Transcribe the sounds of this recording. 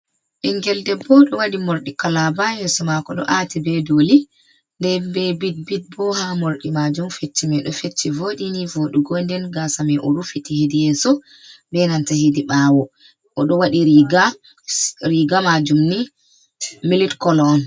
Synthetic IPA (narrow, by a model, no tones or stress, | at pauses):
ʔiŋɡɛldɛbɔɗɔwaɗimoɾɗikalabajɛsɔmakɔɗɔ̰ʔatibɛdoli | ndɛbɛbit̚bit̚bɔhamoɾɗimad͡ʒumfetːimɛɗɔfetːivoɗinivoɗuɡɔndɛnɡasamɛʔuɾufitːihidijɛsɔ | bɛnantahidiɓawɔ | ʔɔɗɔwaɗiɾiɡa | ɾiɡamad͡ʒumni | militkɔlɔɔn